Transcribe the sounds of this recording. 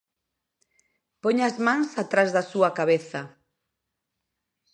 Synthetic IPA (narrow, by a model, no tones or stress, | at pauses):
pɔɲazmãŋsat̪ɾazðɐsuɐkaβeθɐ